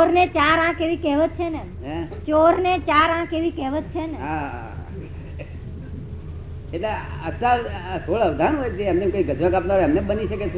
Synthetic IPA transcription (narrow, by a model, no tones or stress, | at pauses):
oɾnet͡ʃaɾãkeʋikɛɦʋət̪t͡ʃʰene | net͡ʃoɾnet͡ʃaɾãkeʋikɛɦʋət̪t͡ʃʰeneɦa | ket̪laəst̪asoɭəʋd̪ʱanɦojed͡ʒeəmnekəiɡʱəd͡ʒ̪nãkap̚naɾəmnebəniʃəket͡ʃʰ